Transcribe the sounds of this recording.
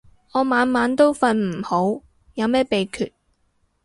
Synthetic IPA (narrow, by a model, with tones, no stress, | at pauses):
ŋɔː˨˧maː˨˧nmaː˨˥nt̪o˥wfɐ˧nm̩˨˩ho˨˥w | jɐ˨˧wmɛː˥pe˨jkʰyː˨t̚